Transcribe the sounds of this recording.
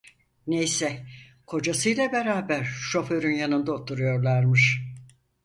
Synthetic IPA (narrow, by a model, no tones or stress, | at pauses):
nejsɛ | kʰo̞d͡ʒasɯjlˠabeɾaːbæɾʃo̞fø̞ɾynjanɯnd̪aot̪ʰuɾujo̞ɾlˠaɾmɯʃ